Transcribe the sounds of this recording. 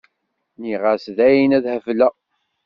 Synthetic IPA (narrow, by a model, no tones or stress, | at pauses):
niʁasðæjinæðhəvlæ